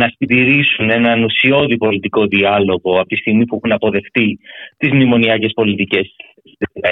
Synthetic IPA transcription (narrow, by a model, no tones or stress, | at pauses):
nɐsind̪iɾisune̞nɐnusio̞ðipo̞lit̪iko̞ðiɐlo̞ɣo̞ɐpot̪ist̪iɣmipuexunɐpo̞ðe̞xt̪it̪izmnimo̞niɐce̞spo̞lit̪ice̞s